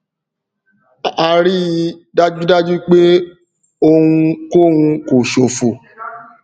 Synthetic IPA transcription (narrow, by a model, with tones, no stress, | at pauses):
a˧ɾi˦i˧da˦d͡ʒu˦da˦d͡ʒu˦k͡pe˦ | o˧hũ˧ko˦hũ˧ko˨ʃo˨fo˨